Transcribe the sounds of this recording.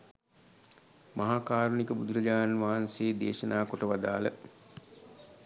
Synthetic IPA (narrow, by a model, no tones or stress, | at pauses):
mʔaɦaːkaːɾunikəbud̪uɾəd͡ʒaːnʋaɦanseːd̪eːʃənaːkoʈəʋad̪aːlə